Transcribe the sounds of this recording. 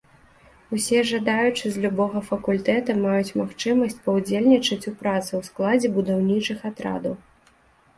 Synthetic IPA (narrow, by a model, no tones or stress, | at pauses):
usʲɛʐɐd̪ajut͡ʂɨzʲlʲubɔɣɐfɐkulʲt̪ɛt̪ɐmajut͡sʲmaxt͡ʂɨmɐsʲt͡sʲpɐwd͡zʲelʲnʲit͡ʂɐt͡sʲupɾat̪sɨwsklˠad͡zʲɛbud̪awnʲit͡ʂɨxat̪ɾa̰d̪ɐw